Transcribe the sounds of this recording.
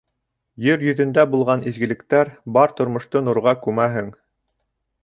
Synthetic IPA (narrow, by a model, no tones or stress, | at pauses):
jɘɾjɵ̆ðɵ̆nd̪æbulˠʁɑnizɡɘ̆lɘ̆kt̪æɾbɑɾt̪ŏɾmŏʃt̪onŭɾʁɑkʉmæɦɘŋ